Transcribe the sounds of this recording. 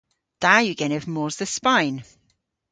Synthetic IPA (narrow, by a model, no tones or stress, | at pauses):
d̥ajʉɡɛnəvmɔːzðəspãjn